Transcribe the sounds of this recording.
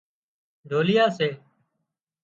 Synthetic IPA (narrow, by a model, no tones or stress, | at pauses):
ɖʱoːlɪjaːseː